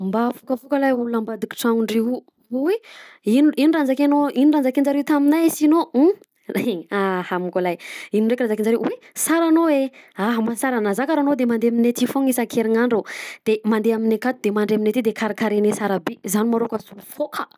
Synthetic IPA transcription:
mbafukəfukəlajuulambad̪iki̥ʈ͡ʂaŋuɳɖ͡ʐeɦu | uweininurand͡zakanoinirand͡zakind͡ʒaɾewut̪aminajsino | leŋahamukolajininɖ͡ʐekʲrazakind͡ʒaɾewwe | saɾanoweaɦmasaɾanazakaɾanod̪emand̪eaminet̪ifoŋisakʰeɾiŋaɳɖ͡ʐod̪̥emand̪eaminekat̪ud̪̥emaɳɖ͡ʐeaminet̪id̪ekʰaɾikaɾenesaɾabezanimaɾokəsufokʰə

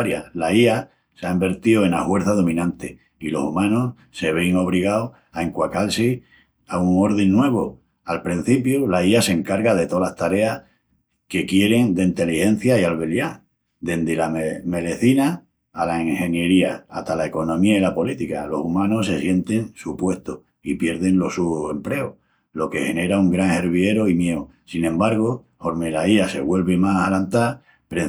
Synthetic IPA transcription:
ɾjalaia | seaimbe̞ɾt̪ioenahwe̞ɾθaðo̞mĩnãnt̪e | ilo̞̰sumãnos | se̞βeŋo̞β̞ɾiɣ̞ao | aeŋkwakalse | auŋo̞ɾðenːwe̞β̞o | alpɾin̟θipjulaiase̞ŋkaɾɣaðe̞t̪o̞last̪aɾe̞ah | ke̞kje̞ɾe̞ŋd̪eint̪e̞lihẽ̞n̟θjaialβe̞lja | d̪e̞nd̪elameme̞leθinaː | laiŋhẽ̞nje̞ɾiaa̰ht̪alae̞ko̞nõ̞miailapo̞lit̪ikalo̞sumãnos̬e̞sje̞nt̪e̞ŋsupwe̞ht̪oh | ipje̞ɾðe̞nlo̞suoe̞mple̞o | lo̞ke̞he̞ne̞ɾauŋɡɾaŋhe̞ɾβ̞je̞ɾoimje̞o | sinẽ̞mbaɾɣ̞o | ho̞ɾmelaiase̞̰βwe̞lβemasalant̪a | pɾe

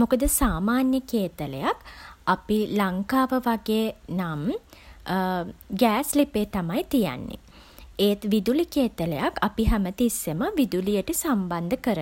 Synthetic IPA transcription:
mokəd̪əsaːmaːnjəkeːt̪ələjakapilaŋkaːʋəʋaɡeːnam | ɡæːslipeːt̪amajt̪ija̰nːḛ | eːt̪ʋid̪ulikeːt̪ələjakapiɦæmət̪isːeməʋid̪ulijəʈəsamband̪əkəɾə

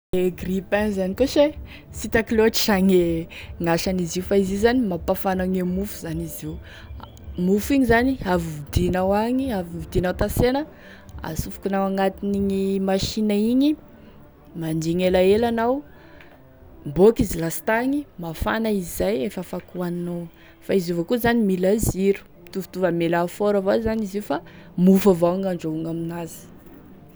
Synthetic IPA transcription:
eɡripanizanikoʃe | sit̪akiloʈ͡ʂi̥ʃaŋeŋaʃaniziufaizizanimapafanaŋemufu̥zaniziw | mufiɲizaniavuvid̪inawaŋiavivid̪inawt̪asenə | a̰sufu̥kinawaŋat̪iniɲimaʃinaiɲi | mandiŋelaelanaw | bokizilast̪aŋimafa̰naizajefəfakuaninow | faizivokuzanimilaziɾu̥ | t̪uvu̥t̪uvəmelafoɾavazanizifa | mufavaaŋaɳɖ͡ʐouŋaminazi̥

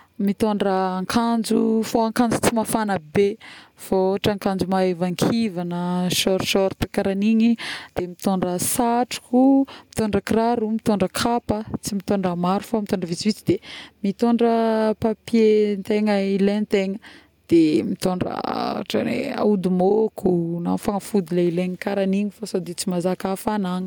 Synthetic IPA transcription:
mit̪oɳɖ͡ʐəːŋkʰand͡zufoaŋkand͡zu̥t͡simafanəbefoʈ͡ʂaŋkand͡zumaevaŋkʰivanəʃɔɾʃɔɾt̪akaɾaniɲid̪̥emit̪oɳɖ͡ʐəsaʈ͡ʂu̥kumit̪oɳɖ͡ʐəkraɾumit̪oɳɖ͡ʐəkʰapət͡simit̪oɳɖ͡ʐəmaɾufamit̪oɳɖ͡ʐəvit͡sivit͡sid̪emit̪oɳɖ͡ʐəpapjent̪eŋəilent̪eŋə | d̪̥emit̪oɳɖ͡ʐə̰ʈ͡ʂa̰nḛa̰ud̪umokʰuna̰faŋafud̪ileileŋikaɾaniɲifasad̪it͡simazakafanaŋi̥

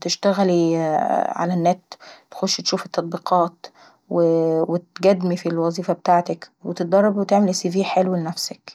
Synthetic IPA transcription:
t̪eʃt̪æɣæli | ʕa̰lænːæːt̪t̪xoʃt̪ʃuːfet̪ːɑt̪̚ˤbiːqʰɑːt̪ | wewet̪ɡæd̪mifilwɑzˤiːfɑbet̪aːʕt̪ækwet̪et̪̚d̪ɑɾˤːɑbwet̪eʕmelʔsiviːħelwilenæfsæk

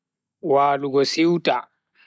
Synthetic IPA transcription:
waːluɡɔsiwtʼa

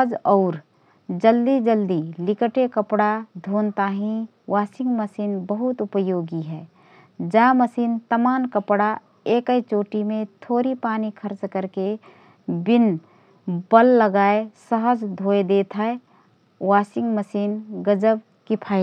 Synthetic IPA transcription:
əd͡ʒɔːɾ | d͡ʒəld̪id͡ʒəld̪ilɪkəʈekəpɽad̪ʱoːnt̪aːɦĩ | waːsɪ̃ŋɡməsiːnbəɦʊt̪ʊpəjoːɡiɦɛː | d͡ʒaːməsiːnt̪əmaːnkəpɽa | eːkəet͡ʃoːʈimẽt̪ʰoːɾipaːnikʰəɾt͡ʃkəɾke | bɪn | bəlːəɡaːesəɦəd͡ʒd̪ʱoːed̪eːt̪ʰae | waːsɪ̃ŋɡməsiːnɡəd͡ʒəb | kɪpʰaːi

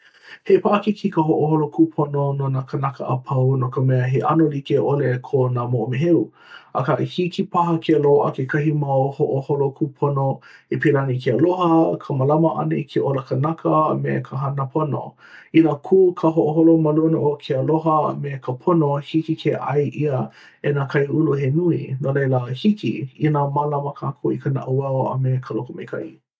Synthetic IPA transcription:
hepaʔɐkikʰikəɦoʔoholokʰupʰonononakənɐkəʔɐpʰɐwnokəmɛəɦeʔɐ̰nolikeʔolekʰonaːmoʔomeɦeu | ɐkaʔhikipɐɦɐkʰeəloɐ̰kekʰɐɦimawhoʔoholokʰupʰonoepelanikʰeəlohəkʰəmɐlɐmɐʔɐ̰neikʰeʔoləkənɐkʰəmekʰəɦɐnəpʰono̰ | inakʰuːkʰəɦoʔoɦolomalunoʔokʰeəloɦə̰mekʰəpʰonohikikʰeʔa̰jʔiə | enakʰɐjuluɦenuḭnolejləhikḭinamalɐməkʰaːkʰoikʰəna̰ʔuwaoɐ̰mekʰəlokomejkʰɐ̰ʔi

